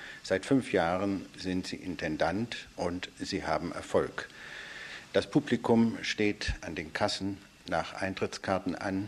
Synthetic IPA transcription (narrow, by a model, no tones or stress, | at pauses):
z̥aɪtfʏnfjaːʁənzɪntz̥ḭːʔɪntʰɛndantʔʊntz̥iːhaːbm̩ʔɛ̰ɐfɔlk | d̥aspʰuplikʊmʃteːtʔandeːnkʰasn̩ | naːχʔa̰ɪntʁ̥ɪt͡skʰaɐtn̩ʔa̰n